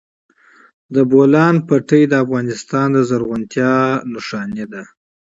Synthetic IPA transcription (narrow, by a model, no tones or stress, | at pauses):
d̪əbolɑnpaʈəjd̪əafɣɑnɪst̪ɑnd̪əzaɾɣʊnt̪jɑnʊʂɑned̪a